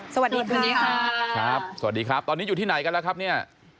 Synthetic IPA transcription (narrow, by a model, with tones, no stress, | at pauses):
sɐ˧wa˨˩t̪̚diː˧kʰuː˧nniː˦˥kʰa˦˥kʰɾa˦˥p̚sa˩a˨˩diː˧kʰɾa˦˥p̚t̪ɔː˧nː˦˥ju˨˩t̪ʰiː˥˩na˨˩˦jka˧nlɛ˦˥kʰa˦˥p̚ni˥˩ɐ